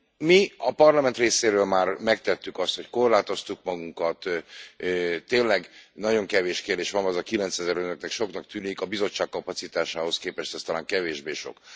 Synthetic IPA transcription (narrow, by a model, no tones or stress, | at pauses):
miɒpɒrlɒmɛnt̪reːseːɾøːlmaːrmɛkt̪ɛt̪ːykɒst̪hocko̞rlaːt̪o̞st̪ukmɒɡuŋkɒt̪ | t̪ːeːnlɛɡnɒɟo̞ŋkɛveːʃkeːrd̪eːʃʋɒnɛzɒkilɛnsɛzɛɾønøknɛkʃo̞knɒk̚t̪yːnikɒbizo̞t͡ʃːaːkːɒpɒt̪sit̪aːʃaːho̞skeːpɛʃt̪ɛst̪ɒlaːŋkɛveːʒbeːʃo̞̰k